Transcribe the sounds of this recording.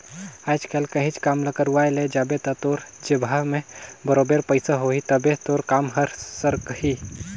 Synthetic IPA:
ajt͡ʃkʰelkəɦit͡ʃkamləkəɾuʋajled͡ʒabet̪ət̪oɾd͡ʒebʱamebəɾobeɾpəɪsaɦoɦit̪əbet̪oɾkamɦəɾsəɾkhi

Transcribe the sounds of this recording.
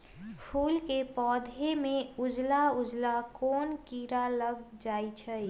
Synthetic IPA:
pʰuːlkepɔːd̪ʱemeud͡ʒlaud͡ʒlakoːnkiɾaləɡd͡ʒajt͡ʃʰəj

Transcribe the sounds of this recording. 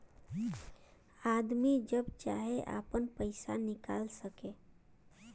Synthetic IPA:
ad̪mid͡ʒəbt͡ʃa̰ɦeʔa̰pənpəɪsa̰nɪkalsəke

